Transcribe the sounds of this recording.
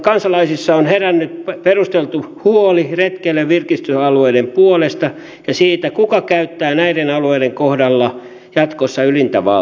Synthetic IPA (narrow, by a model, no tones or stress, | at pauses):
kɑnsɑlɑisisːɑonherænːyt̪̚perust̪elt̪uhuoliret̪kelːeʋʋirkist̪yɑlueidempuolest̪ɑ | jɑsiːt̪ækukɑkæyt̪ːæːnæidenɑlueideŋkohdɑlːɑ | jɑt̪kosːɑylint̪æʋɑ̰